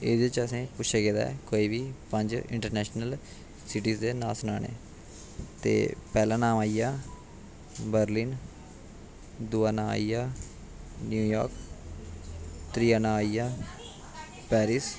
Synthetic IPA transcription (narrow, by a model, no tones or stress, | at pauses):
ɪd̪t͡ʃəsẽːpʊʃʰaɡeːd̪a̰ɛkoːiːbiːpəɲd͡ʒɪ̃ɳʈəɾnɛːʃnəl | sɪʈiːzd̪eːnaːlsʊna̰ːnḛː | t̪ḛːpɛːlãːnaːmaːijaː | bəɾliːn | d̪uːaːnaːa̰ːijaː | njuːjaːɾk | t̪ɾiːaːnaːaːijaː | pɛːɾɪs